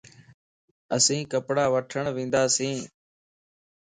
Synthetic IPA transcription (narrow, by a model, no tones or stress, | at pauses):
əsĩːkəpɽaːʋəʈʰəɳʋĩːnd̪aːsĩː